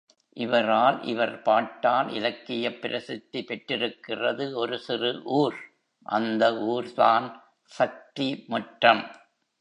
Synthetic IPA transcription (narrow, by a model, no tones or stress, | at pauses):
ʔɪʋɐɾaːlʔɪ̰ʋɐɾpaːʈːaːlɪ̰lɐkːɪjɐpːɪɾʔɐsɪt̪ːipɛʈrɪɾɯkːɪrɐðɯɔɾɯsɪrɯʔuːɾ | ʔɐ̰nd̪ɐʔuːɾt̪aːn | sɐk̚t̪imʊʈrɐm